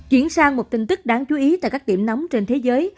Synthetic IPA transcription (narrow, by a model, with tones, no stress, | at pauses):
t͡ɕi˧˩ənsaː˧ŋmo˨˩t̪ï˧˩ŋ̟t̪ɨ˦˥k̚ɗaː˨˦ŋt͡ɕu˨˦ʔi˨˦t̪aː˧˨jkaː˦˥k̚ḭ˧˩əmnɔ˨˦wmt͡ɕe˧nt̪ʰe˨˦zəː˨˦j